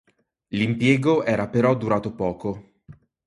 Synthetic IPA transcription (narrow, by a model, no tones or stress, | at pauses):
limpjɛːɡoʔɛːɾapeɾɔd̪ːuɾaːt̪opɔːko